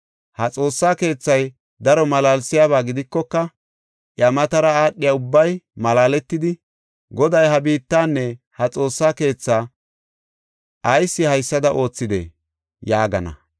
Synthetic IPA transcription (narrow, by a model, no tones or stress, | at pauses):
hɐt͡sʼo̞ːsːaːke̞ːt͡sːɐj | d̪ɐɾɔmɐlaːlsɪjaːβaːɡɪd̪ɪkːɔkːɐ | ʔjɐmɐt̪ɐɾɐaːɗːɪjaʊbːɐjmɐlaːlɛt̪ːɪd̪ɪ | ɡɔd̪ɐjɦɐbiːt̪ːaːnːɛ | hɐt͡sʼo̞ːsːaːke̞ːt͡sːaː | ʔɐjsːɪhɐjsːɐd̪ɐʔo̞ːt͡sːɪd̪ḛ | jaːɡɐ̰nɐ̰